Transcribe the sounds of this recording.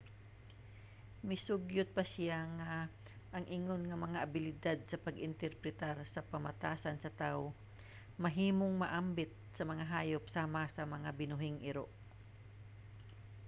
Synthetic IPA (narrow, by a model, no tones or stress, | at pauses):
mɪsʊɡjʊt̪̚pɐsɪjaŋa | ʔːŋʔɪŋonŋɐmɐŋaʔabɪlɪd̪ad̪̚sɐpɐɡɪnt̪ɛɾpɾɛt̪aɾsɐpɐmat̪aːsansɐt̪aw | mɐɦiːmoŋmɐʔambɪt̪̚sɐmɐŋaɦaːjop̚saːmasɐmɐŋabɪnʊɦɪŋʔɪɾo̰ʔ